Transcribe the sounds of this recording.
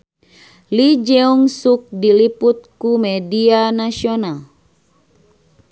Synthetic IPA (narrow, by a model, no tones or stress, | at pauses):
lid͡ʒɛuŋsuk̚diliput̪̚kumɛdianasional